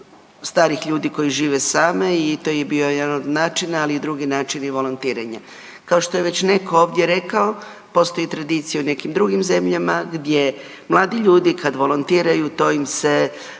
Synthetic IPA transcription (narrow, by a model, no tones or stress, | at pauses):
st̪aːɾixʎuːd̪iko̞jiʒiːʋesaːmeit̪o̞jebio̞jed̪anod̪naːt͡ʃinaːliid̪ɾuɡinaːt͡ʃiniʋo̞lˠont̪iːɾaɲa | kaoʃt̪ojeʋe̞t͡ɕne̞ko̞oːʋd̪je̞ɾe̞kao | po̞st̪o̞jit̪ɾad̪iːt̪sijaune̞kimd̪ɾuɡimze̞mʎamaɡd̪je̞ | mlˠaːd̪iʎuːd̪ikad̪ʋo̞lont̪iːɾajut̪o̞imse̞